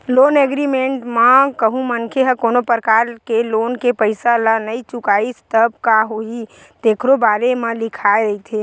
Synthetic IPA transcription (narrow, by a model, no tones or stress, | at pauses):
loːneːɡɾimẽɳʈmakəɦũmənkʰeɦəkoːnopəɾkaːɾkeloːnkepəɪsalanəit͡ʃʊkaːist̪əb̚kaɦoi | t̪eːkʰɾobaːɾemẽlɪkʰaːeɾɐit̪ʰeː